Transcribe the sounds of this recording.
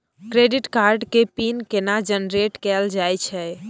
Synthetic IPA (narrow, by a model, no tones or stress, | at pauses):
kɾeɖiʈkaɾɖkepinkenad͡ʒənɾeʈkɛld͡ʒajt͡ʃʰɛ